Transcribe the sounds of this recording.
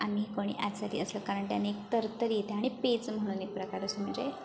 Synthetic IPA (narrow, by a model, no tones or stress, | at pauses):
amikoɽ̃ḭːʔa̰t͡salḭːəsləkaɾəɳʈjanːeek̚t̪əɾt̪əɾjet̪eaɽ̃ipet͡sm̤əɽ̃unipɾəkaɾəsəm̤əɳd͡ze